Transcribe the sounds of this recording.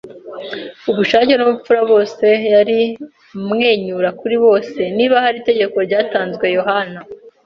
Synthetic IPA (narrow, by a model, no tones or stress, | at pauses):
uβuʃaːcenumufuɾaβo̞ːse̞jaɾi | mŋe̞ːɲuɾakuɾiβo̞ːse̞niːβahaɾiːte̞ɟe̞ko̞ɾɟaːtaːnzɡwe̞jo̞ɦana